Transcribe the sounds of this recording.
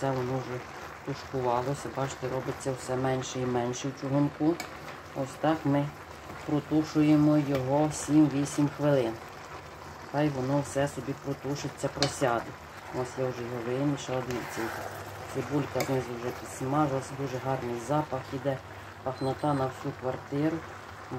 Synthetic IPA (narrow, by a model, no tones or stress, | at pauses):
sɛʋɔnɔwʒɛ | t̪ʊʃkʊʋɑlˠɔsʲɐbɑt͡ʃt̪ɛɾɔbɪt͡sʲːɐwsɛmɛnʲʃɛimɛnʲʃɛwt͡ʃʊɦʊnku | ɔsʲt̪ɑkmɪ | pɾɔt̪uʃʊjemɔjɔɦɔsʲimʋʲisʲimxʋɪlˠɪn | t̪ɑjʋɔnɔwsɛsɔbʲipɾɔt̪uʃɪt͡sʲːɐpɾɔsʲɑd̪ɪ | ɔsʲjɛwʒɛɦɔʋɪniʃɐlˠɐd̪ʲiwʲt͡sʲɐj | sɪbulʲkɐznɪzʊwʒɛpʲid̪smɑʒlˠɐsʲd̪uʒɛɦɑrnɪjzɑpɐxid̪ɛ | pɐxnɐt̪ɑnɐwsʲukʋɐrt̪ɪɾʊ